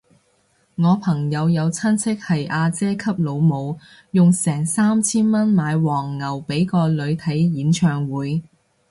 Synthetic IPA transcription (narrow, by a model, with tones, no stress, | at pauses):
ŋɔː˨˧pʰɐ˨˩ŋjɐ˨˧wjɐ˨˧wt͡sʰɐ˥nt͡sʰɪ˥k̚hɐ˨jʔaː˧t͡sɛː˥kʰɐ˥p̚lo˨˧wmo˨˧w | jʊ˨ŋsɛː˨˩ŋsaː˥mt͡sʰiː˥nmɐ˥nmaː˨˧jwɔː˨˩ŋːɐ˨˩wpe˨˥jkɔː˧lɵ˨˧ɥt̪ʰɐ˨˥jjiː˨˥nt͡ʃʰœː˨ŋwuː˨˥j